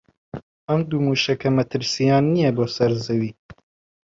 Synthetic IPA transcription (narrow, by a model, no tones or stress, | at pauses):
ɐmd̪uːmuːʃɐkɐmɐt̪ʰɨɾsijaːnːijɛboːsɐɾzɐwiː